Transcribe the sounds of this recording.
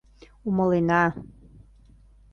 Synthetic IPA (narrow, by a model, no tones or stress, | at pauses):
umə̆lenɑ